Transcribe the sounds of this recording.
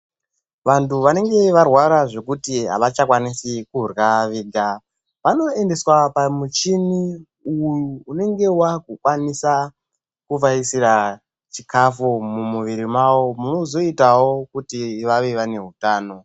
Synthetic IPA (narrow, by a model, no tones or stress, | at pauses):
ʋantuʋane̞ŋɡe̞ʋarwaɾaʐe̞kutiɦa̰ʋat͡ʃakwanisikurɣaʋiːɡa | ʋano̞e̞nde̞swapamut͡ʃini | ujuːne̞ŋɡe̞wakukwanisa | kuvaisiɾa | t͡ʃikafumumuʋiɾimawo̞muno̞zo̞itawo̞kutiʋaʋe̞ʋane̞ɦutaːno̞